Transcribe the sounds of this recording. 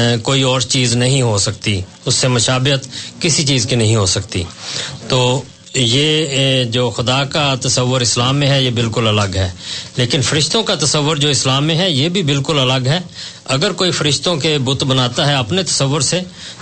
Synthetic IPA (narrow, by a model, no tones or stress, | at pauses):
koːiɔːɾt͡ʃiːznɐɦĩɦosɐkt̪ḭ | ʊsːemɐʃaːbɪət̪kɪsit͡ʃiːzkinɐɦĩɦosɐkt̪ḭːt̪oː | jeːd͡ʒoːxʊd̪aːkat̪ɐsəʋːʊɾɪslaːmːẽɦɛjebɪlkʊlɐləɡɦɛːleːkɪnfəɾɪʃt̪õkat̪ɐsəʋːʊɾd͡ʒoːɪslaːmːẽɦɛjeːbʱibɪlkʊlɐləɡɦɛː | ɐɡəɾkoːifəɾɪʃt̪õkebʊt̪bənaːt̪aɦɛɐpnet̪ɐsəʋːʊɾse